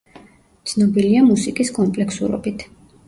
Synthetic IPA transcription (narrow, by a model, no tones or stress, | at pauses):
t̪sʰnɔbiliamusikʼiskʼɔmpʼlɛksṵɾɔ̰bit̪ʰ